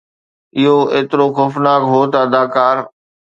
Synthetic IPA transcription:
ɪɦoeːt̪ɪɾoxʊfnaːkɦoːt̪ɐɐd̪aːkaːɾ

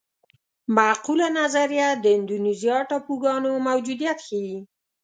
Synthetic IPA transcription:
maːqulanazaɾijad̪əɪnd̪unizijɑʈɑpuɡɑnomawd͡ʒud̪ijat̪xewi

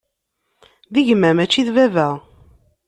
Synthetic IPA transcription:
ðəʝmæmæt͡ʃːiðvævæʁ

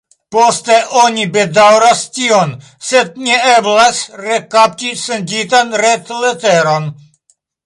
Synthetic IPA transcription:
post̪eʔonibedawɾastion | sed̪̚nieblasɾekap̚tisend͡ʒitanɾet̪leteɾon

